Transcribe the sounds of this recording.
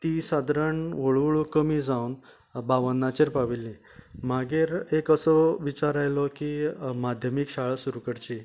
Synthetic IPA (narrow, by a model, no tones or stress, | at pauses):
t̪isad̪ʱɾəɳʋəɭɭukəmiːd͡zaun | baʋənːat͡ɕeɾpaʋilːĩ | maɡeɾekəsɔʋit͡ɕaɾajlɔkimad̪ʱjəmikɕaɭəsuɾukəɽt͡ɕi